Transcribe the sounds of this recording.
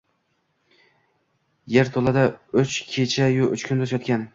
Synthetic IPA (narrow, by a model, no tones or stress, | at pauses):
jeɾt̪ʰolˠad̪aʊt͡ʃkʲʰet͡ʃʰajʊʔʊ̰t͡ʃkʰʲʊnd̪osjɒt̪̚kʲan